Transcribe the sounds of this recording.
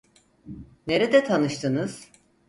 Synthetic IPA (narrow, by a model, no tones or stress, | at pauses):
ne̞ɾɛd̪ɛt̪ʰanɯʃt̪ʰɯnɯz̥